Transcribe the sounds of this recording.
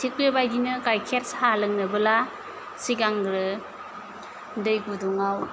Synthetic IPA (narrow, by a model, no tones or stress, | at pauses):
tʰik̚bibajdinɯkajkʰet̚shalɯŋnɯbɯla | siɡaŋɡɾɯ | dɯjɡuduŋaw